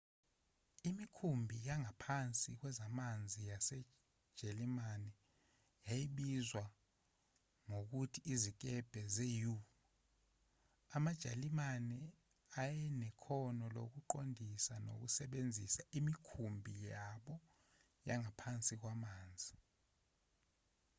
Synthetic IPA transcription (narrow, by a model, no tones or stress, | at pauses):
imikʰumbʱijaŋapʰant͡sʼik̬wɛzamand͡zʱijasɛ̥ | ʒ̥ʱelimanɛ | jajiɓizwa | ŋok̬utʰiːzik̬ɛb̥ʱɛzeju | amad̥ʒ̥ʱalimanɛ | ajɛnɛkʰɔnɔlo̰k̬uǃondʱisano̰k̬usɛɓend͡zʱisaimikʰumbʱijaɓɔ | jaŋapʰant͡sʼik̬wamaːnd͡zʱi